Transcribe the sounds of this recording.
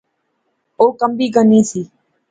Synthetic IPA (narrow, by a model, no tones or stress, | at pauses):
oːkəmbiːɡəniːsiː